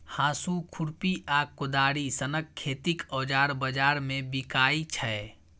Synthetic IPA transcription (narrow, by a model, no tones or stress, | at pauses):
haːsukʰuɾpiʔaːkːʊd̪aːɽisənəkʰːeːt̪ikɔːd͡ʒaːɾbəd͡ʒaːɾmẽbikaːit͡ʃʰə